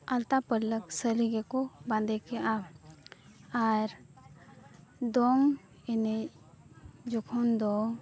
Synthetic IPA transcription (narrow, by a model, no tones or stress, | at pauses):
alt̪apələksəliɡɛkɔbãnd̪ɛkɛʔa | aɾ | d̪ɔŋ | ɛne | d͡ʒɔkʰɔnd̪ɔ